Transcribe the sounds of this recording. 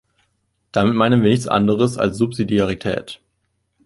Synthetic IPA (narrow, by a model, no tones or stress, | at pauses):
d̥amɪtmaɪnənviːɐnɪçt͡sʔa̰ndəʁ̞əsa̰lsz̥upz̥idiaʁ̞itʰɛ̰ːt